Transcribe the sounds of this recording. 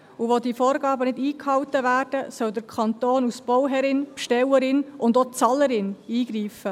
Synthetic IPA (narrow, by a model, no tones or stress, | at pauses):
uʋod̪ifoːɾɡɑːbənɪdiːkhɑwt̪əvæːrd̥əsœwd̪əkʰɑnt̪oːnusb̥ɔwɦɛɾɪnpʃtɛwəɾɪnʔʊndot͡sɑləɾɪniːɡ̥ɾiːfə